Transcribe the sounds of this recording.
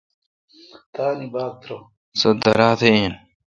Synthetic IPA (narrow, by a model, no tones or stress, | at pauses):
t̪aːnibaːk̚t̪ɾo | sɐd̪ɐɾaːt̪ʰeeːn